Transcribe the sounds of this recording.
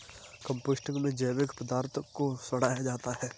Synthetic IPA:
kə̃mpoːsʈɪ̃ŋɡmẽd͡ʒəːʋɪkʰpəd̪aːɾt̪ʰkosəɽ̤aːjad͡ʒaːt̪aɦɛː

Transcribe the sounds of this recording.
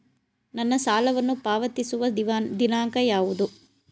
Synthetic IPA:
nɐnːɐsaːlɐʋɐnːupaːʋɐt̪isuʋɐʋd̪inaːŋkɐjaːʋud̪u

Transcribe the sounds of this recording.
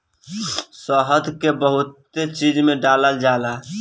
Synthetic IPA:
səɦəd̪ʱkebəɦut̪ːet͡ʃid͡ʒmeɖaləld͡ʒala

